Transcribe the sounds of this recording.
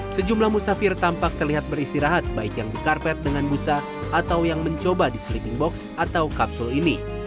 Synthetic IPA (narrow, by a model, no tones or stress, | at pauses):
səd͡ʒumlahmusafɪrt̪ampak̚t̪ərliɦat̪̚bəɾist̪iɾaɦat̪̚baɪkjaŋdikarpɛt̪̚dəŋanbusa | ʔːt̪awjaŋməɲt͡ʃobadisɾitiŋbɔksat̪awkapsulini